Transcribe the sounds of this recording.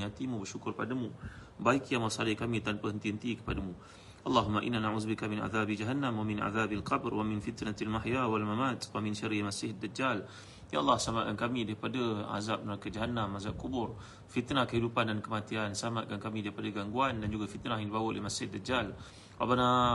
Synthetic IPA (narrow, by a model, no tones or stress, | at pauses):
at̪imũbərʃukʊrpadamũ | baikjamasadakamĩt̪anpəɦənt̪iɦənt̪ikə̥padamũ | ʔɑlˤːɑɦumːaʔḭnːanaʕuðbikamɪna̰ðabid͡ʒaɦanːamwamɪnʔa̰ðabalqɑbrwamɪnfit̪nat̪almaħjawalmamat̪wamɪnʃaɾimasɪhad̪ːad͡ʒal | ja̰ʔalːɑhsəlamat̪̚kankamĩdaɾipadaa̰zap̚nəɾakad͡ʒaɦanːamːazaʔ̚kubʊr | fit̪nahkəɦidupandankəmat̪iansəamat̪̚kankamĩdaɾipadaɡaŋɡuandand͡ʒuɡafit̪naɦjaŋdibawəʔlehmasɪhad̪ːad͡ʒal | wa̰bana